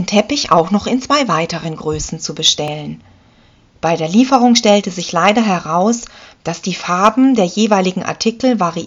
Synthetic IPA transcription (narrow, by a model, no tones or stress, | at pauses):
ntʰɛpɪça̰ʊxnɔχɪnt͡sv̥aɪvaɪtəʁ̞ənɡʁøːsn̩t͡subəʃtɛlən | b̥aɪdeːɐliːfəʁ̞ʊŋʃtɛltəzɪçlaɪdɐɦɛʁaʊsd̥asd̥iːfaɐbm̩deːɐjeːvaɪlɪɡŋ̩ʔa̰ɐtʰikl̩vaʁi